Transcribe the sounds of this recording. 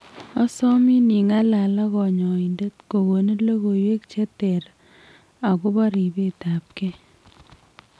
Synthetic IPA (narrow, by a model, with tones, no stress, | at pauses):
ɔ˦sɔ˦mi˦ni˨ŋa˦la˨la˦ɣɔ˨ɲɔ˨i˨nde˦tko˨ɣo˨ne˦lo˦ɣo˨jwe˦k̚t͡ʃe˦te˨ɾ | a˨kʊ˦ba˦ɾi˨be˦˨ta˨p̚ke˦